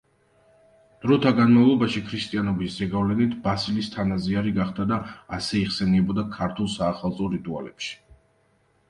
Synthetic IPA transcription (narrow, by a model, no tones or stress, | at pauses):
d̪̥ɾɔt̪ʰaɡanmavlˠɔbaʃikʰɾist̪ʼianɔbiszɛɡavlɛnit̪ʰbasilist̪ʰanaziaɾiɡaχd̪ad̪aːsɛiʁsɛniɛbɔd̪akʰaɾt̪ʰulˠsaːχalˠt̪sʼɔɾit̪ʼua̰lɛ̰pʃi̥